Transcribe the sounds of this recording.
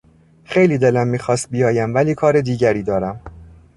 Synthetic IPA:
xe̞jliːd̪e̞læmːiːxɒːst̪̚bijɒːjæmvæliːkʰɒːɾed̪iːɟæɾiːd̪ɒːɾæm

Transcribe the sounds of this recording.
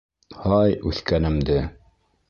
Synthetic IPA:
hɑjʉθkænɘ̆md̪ɘ

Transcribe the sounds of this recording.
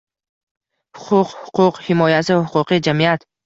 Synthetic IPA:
hʊ̥qʰʊqhʊqʰʊqhɪmɒjasɪahʊqʰʊqid͡ʒamijat̪

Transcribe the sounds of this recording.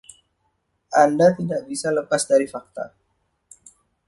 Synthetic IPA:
ʔandat̪idaʔbisaləpasdaɾifak̚t̪a̰

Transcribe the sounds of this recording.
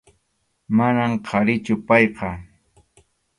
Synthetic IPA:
manamqʰɑɾɪt͡ʃʊpɑjqɑ

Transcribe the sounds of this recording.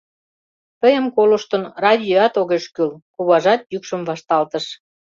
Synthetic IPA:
t̪əjə̆mkoləʃt̪ə̆nrɑd̪ʲoɑt̪oɣeʃkylkuβɑʒɑt̪jykʃəmvɑʃt̪ɑlt̪ə̆ʃ

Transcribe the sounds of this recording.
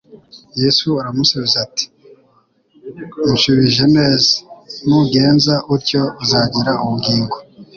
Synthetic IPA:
je̞suaɾamusaβizati̥ | nʃuβiʒe̞me̞ːzanuɡe̞ːnzaʔuɾco̞zaːɟiɾaʔumuɡiːŋɡo

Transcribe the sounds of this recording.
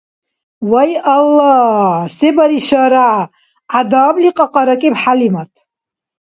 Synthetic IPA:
wajalːasɛbaɾiʃaɾaʕ | ad̪aːbliqʼɑqʼɑɾakʼɛpħalimat̪ʰ

